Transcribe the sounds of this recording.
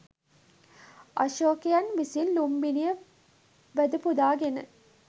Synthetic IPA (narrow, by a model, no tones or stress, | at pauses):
ɐ̰ʃoːkejɐnʋisinlumbinijə | ʋæd̪upud̪aːɡenə